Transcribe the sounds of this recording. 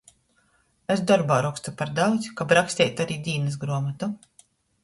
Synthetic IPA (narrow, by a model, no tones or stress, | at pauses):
esd̪ɔɾbaːɾɔkst̪upaɾd̪awd̪zʲkabɾaksʲt̪ʲɛːjt̪aɾiːd̪ʲiːnɛs̬ɡɾuɔmat̪u